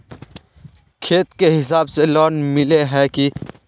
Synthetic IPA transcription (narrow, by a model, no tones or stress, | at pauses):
kʰeːt̪keɦɪs̬aːbselɔːnmɪleɦɛki